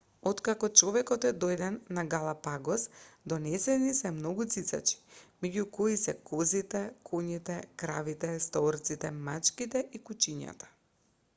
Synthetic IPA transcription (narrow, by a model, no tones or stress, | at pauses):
ɔt̪kakɔt͡ʃɔvɛkɔt̪ɛd̪ɔjd̪ɛnːaɡalˠapaɡɔsd̪ɔnɛsɛnisɛmnɔɡut̪sit̪sa̰t͡ʃi̥mɛɟukɔisɛkɔzit̪ɛkʰɔɲit̪ɛkɾavit̪ɛst̪ɔɾt̪sit̪ɛmat͡ʃkit̪ɛʔikut͡ʃiɲa̰t̪ḁ